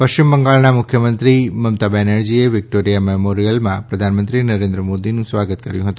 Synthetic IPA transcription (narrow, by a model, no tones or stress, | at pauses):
pəʃt͡ʃimbəŋɡaɭnamʊkʰjəmənt̪ɾiməmt̪abɛnaɾd͡ʒieʋɪk̚ʈoɾijamemoɾijəlmãpɾəd̪ʱanmənt̪ɾinəɾẽnd̪ɾəmod̪inũsʋaɡət̪kəɾjũɦət̪ũ